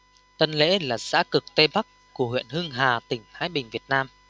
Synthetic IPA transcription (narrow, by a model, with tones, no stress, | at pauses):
t̪ə˧nlḛ˧˥laː˨˩za̰ː˧˥kɨ˨˩k̚t̪e˧ɓa˦˥k | ku˧˩əhwḭ˧˨ənhɨ˧ŋɦaː˨˩t̪ï˨˩ŋ̟t̪ʰaː˨˦jɓï˨˩ŋ̟vi˨˩ət̚naː˧m